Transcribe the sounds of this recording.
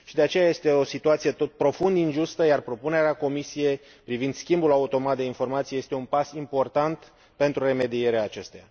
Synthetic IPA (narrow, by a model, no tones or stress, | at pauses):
ʃid̪eat͡ʃe̞jaje̞st̪e̞o̞sit̪uat̪sije̞t̪ot̪̚pɾo̞fund̪inʒust̪əjarpɾo̞pune̞ɾeako̞misije̞j | pɾivind̪skʲimbulaut̪o̞mat̪̚d̪e̞info̞rmat̪sije̞st̪eunpasimpo̞rt̪ant̪ | pe̞nt̪ɾure̞me̞d̪ije̞ɾeaːt͡ʃe̞st̪eja̰